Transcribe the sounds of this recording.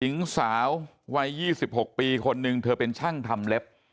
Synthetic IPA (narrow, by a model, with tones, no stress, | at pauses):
ji˩˦ŋsaː˩˦wː | a˦˥jːiː˥˩si˨˩p̚ho˨˩k̚piː˧kʰo˧nːɯ˧ŋt̪ʰɤː˧pe˧nt͡ɕʰa˥˩ŋt̪ʰa˧mle˦˥p̚